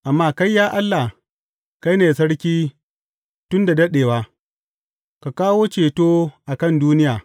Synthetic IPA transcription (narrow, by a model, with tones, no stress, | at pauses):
ʔa˨mːaː˦ka˦jːaː˦ʔa˦lːa˨ | ka˦jneː˨sɐ˦ɽkʲiː˦ | tʊ˦nda˨dɐ˦ɗeː˨waː˦ | ka˨kaː˦woː˦t͡ʃeː˨toː˦ʔa˨kɐ˦˨nduː˦nɪ˦jaː˨